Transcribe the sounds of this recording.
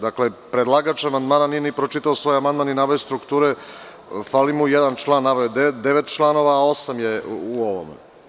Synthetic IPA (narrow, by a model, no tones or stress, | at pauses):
d̪aklepɾed̪lˠaɡat͡ʃamand̪maːnanijenipɾot͡ʃit̪aosʋo̞ːjamand̪maninaʋojost̪ɾukt̪uːɾe | falimujed̪ant͡ʃlˠaːnːaʋojod̪ed̪eʋet̪t͡ʃlˠano̞ʋaːo̞samjeuoʋo̰mḛ